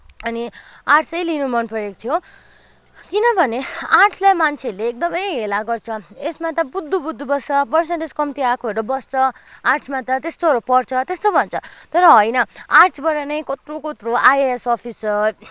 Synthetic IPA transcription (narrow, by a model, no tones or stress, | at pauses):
ʌniarʈʰt͡sʌjlinumʌnpʌjek̚t̪ʰijo | kinʌbʱʌnearʈsʰlajmant͡sʰeʌɾleːk̚d̪ʌmʌjɦelaɡʌrt͡sʰʌesmat̪ʌbud̪ʱːubud̪ʱːubʌsʌbʌsnãʈeskʌmit̪iakʰbʌɽʌbʌst͡sʰʌarʈsʰmat̪ʌt̪est̪oʌɾopʌrt͡sʰʌt̪est̪obʱʌnt͡sʰʌt̪ʌɾʌɦʌjnʌarʈt͡sʰbʌɾanʌjkot̪rokot̪roʔajesʌpʰisʌ